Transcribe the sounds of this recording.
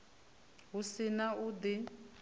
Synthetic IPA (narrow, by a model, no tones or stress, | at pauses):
ɦusinaud̪i